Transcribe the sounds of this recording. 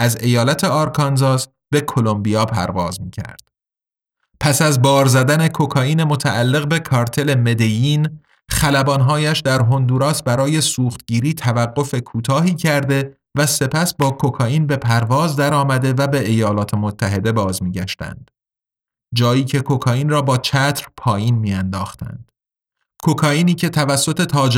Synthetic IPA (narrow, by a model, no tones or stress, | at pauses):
æze̞jɒːlæt̪ʰe̞ɒːɾkʰɒnzɒːz | b̥e̞kʰo̞lo̞mbijɒːpʰæ̰ɾvɒːzmiːcʰæ̰ɾd̪̥ | pʰæsæzbɒːɾzæd̪æne̞kʰo̞kʰɒːiːne̞mo̞t̪ʰæʔːlːe̞ɣbe̞kʰɒːɾt̪ʰe̞le̞me̞d̪ejiːn | χælæbɒːnɦɒːjæʃd̪æɾɦo̞nd̪uːɾɒːsbæɾɒːje̞suːχt̪ɟ̥iːɾiːt̪ʰævæɢːo̞fe̞kʰuːt̪ʰɒːɦiːcʰæɾd̪e̞ | væse̞pʰæsbɒːkʰo̞kʰɒːiːnbe̞pʰæɾvɒːzd̪æɾɒːmæd̪e̞væbe̞ʔejɒːlɒːt̪ʰe̞mot̪ʰːæɦe̞d̪e̞bɒːzmiːɟæʃt̪æ̰nd̪̥ | d͡ʒɒːjiːcʰe̞kʰo̞kʰɒːjiːnrɒːbɒːt͡ʃʰæt̪ʰɾpʰɒːjiːnmiːænd̪ɒːxt̪æ̰nd̪̥ | kʰo̞kʰɒːʔiːniːcʰe̞t̪ʰævæsːo̞t̪ʰe̞t̪ʰɒːd͡ʒ